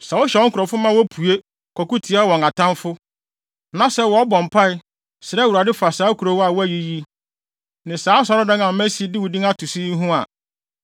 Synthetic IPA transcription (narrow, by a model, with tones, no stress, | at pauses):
sa˨wʊ˦ɕɛ˨ɔ˦ŋ˦kʰʊ˨ɾɔ˨fʊ˦mã˦wɔ˦pʰu˨e˦ | kʰɔ˨ku˦tʰi˨˦a˦wɔ̃˨ŋa˨tʰã˦nfʊ˦ | nã˨sɛ˦wɔ˨ɔ˦bɔ̃˨m˨pʰa˦ɪ˦ | sɪ˨ɾɛ˦wu˨ɾa˨dɪ˦fa˨saː˨˦kʰu˨ɾo˦wa˨wɔ˦æ˨ji˦ji˦ | nɪ̃˨saː˦sa˨ɾʊ˦dã˦ŋã˨m̩˦mæ̃˦si˨˦e˦dɪ˦wʊ˨dĩ˦ŋa˦tʰʊ˨si˦n˦ɦũ˦a̰˨